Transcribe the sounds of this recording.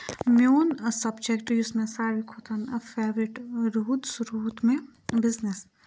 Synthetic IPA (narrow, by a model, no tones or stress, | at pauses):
mjoːnsɐbd͡ʒekʈd͡ʒʊsmẽsaːɾikʰoːt̪ʰənfeːʋɾɪʈɾuːd̪suɾuːt̪mẽbɪznes